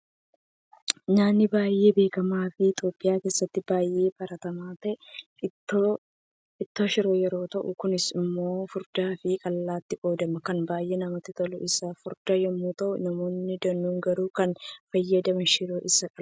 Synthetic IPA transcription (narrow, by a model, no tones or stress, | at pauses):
naːnːɪbaːjːe̞ːbe̞ːkɐmaːfɪɪt̪ʼjo̞ːpʼːɪjaːke̞ːsːɐt̪ːɪbaːjʔe̞ːbɐɾɐt̪ɐmaːt̪ɐʔɛ | ɪt̪ːoːʃɪɾoːjɛɾo̞ːt̪ɐʔʊ̰kʊnɪsɪmːo̞ːfʊɾd̪aːfɪkʼɐlːaːt̪ːɪʔo̞ːd̪ɐmɐkɐnbaːjʔeːnɐmɐt̪ːɪt̪ɐlʊʔɪsɐfʊɾd̪̥ɐjɛmːuːt̪ɐʔʊnɐmo̞ːnːɪd̪ɐnːuːŋɡɐɾuːkɐnfɐjːɐd̪ɐmɛʃɪɾoːʔɪsɐkʼɐ